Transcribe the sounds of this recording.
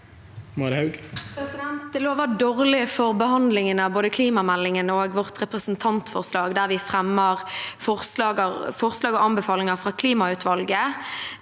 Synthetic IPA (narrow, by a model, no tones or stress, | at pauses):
mɑɾhɑʉɡpʰɾɛsɪd̪ɛnt̪̚d̪əloːʋɑd̪oːʁlɪfɔʁbəhɑnd̪lɪŋənəɑboːd̪əkʰliːmɑmælːɪŋənoːɡʋɔʁt̪ʁɛpʁəsn̩t̪ʰɑnt̪fɔ̰ʁslɑːɡd̪æʁʋɪfʁɛmːəʁfɔʁslɑːɡəfɔʁslɑːɡɔɑnbəfɑːlɪŋəfʁɑːkʰliːmɑʉt̪ʋɑlɡə